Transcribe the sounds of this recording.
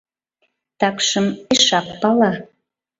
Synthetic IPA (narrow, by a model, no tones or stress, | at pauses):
t̪ɑkʃəmeʃɑpːɑlɑ